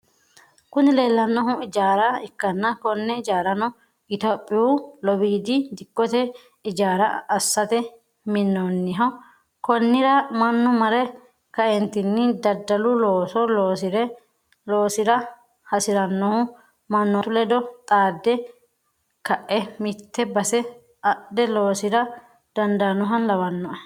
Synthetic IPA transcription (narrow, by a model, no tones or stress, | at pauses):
kʊnɪleːlːɐnːɔɦʊɪd͡ʒaːɾɐɪkːɐnːɐkɔnːɛɪd͡ʒaːɾɐnɔ | ɪt̪opʼːɪulɔbiːd̪ɪd̪ɪkːɔt̪ɛ | ɪd͡ʒaːɾɐɐsːɐt̪ɛ | mɪnːɔnːɪɦɐw | kɔnːɪɾɐmɐnːɔmɐɾɛ | kɐɛnt̪ɪnːɪd̪ɐd̪ːɐlʊloːsɔloːɪɾɛ | loːsɪɾɐ | hɐsɪɾɐnːɔhʊ | mɐnːɔtʊlɛd̪ɔt̪ʼaːd̪ːɛ | kɐʔːɛmɪt̪ːɛbɐsɛ | ɐʔd̪ɛloːsɪɾɐ | d̪̥ɐnd̪anːɔɦɐnlɐwɐnːɔʔɐ